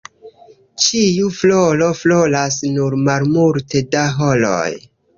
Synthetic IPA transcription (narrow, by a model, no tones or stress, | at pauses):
t͡ʃiuflolo̞flo̞lasnuɾmaɾmultʰe̞daɦolo̰j